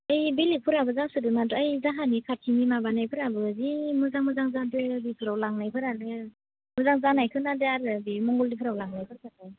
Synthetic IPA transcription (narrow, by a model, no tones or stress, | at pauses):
ɯjbilipʰɯɾabɯzasɯdɯmadɯajzaɦanikʰatʰimimabanajpʰɯɾabɯzimɯzaŋmɯzaŋzadɯbipʰɯɾawlaŋnajpʰɯɾanɯ | muzaŋzanajkʰɯnadeaɾɯbimɔŋɡɔldipʰɾawlaŋnajpʰɯɾkʰɯnaj